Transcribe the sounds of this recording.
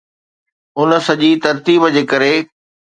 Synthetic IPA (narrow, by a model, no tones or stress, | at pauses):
ʊnə̆sɐʄit̪ɐɾt̪iːbd͡ʑeːkɐɾe